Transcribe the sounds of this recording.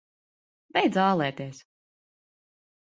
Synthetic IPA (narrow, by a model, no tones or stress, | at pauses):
bʲɛjd̪zɑːlˠɛːt̪iɛs